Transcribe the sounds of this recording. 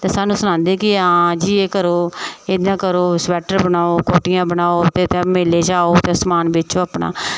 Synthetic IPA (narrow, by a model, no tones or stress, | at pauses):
t̪eːsaːnũːsʊnãːnd̪eːkɪãːd͡ʒiːeːkəɾoːeːd̪ãːkəɾoːsʋɛːʈəɾbənaːoːkoːʈɪjãːbənaːot̪eːt̪ẽmeːleːd͡ʒaːoːt̪eəsmaːnbɪːt͡ʃoːaːpɳa̰ː